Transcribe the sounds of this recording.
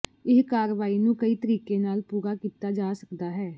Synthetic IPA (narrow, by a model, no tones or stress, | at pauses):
ɪskaːɾʋaːiːnũːkəiːt̪əɾiːkeːnaːlpuːɾaːkiːt̪aːd͡ʒaːsəkd̪aːɦɛː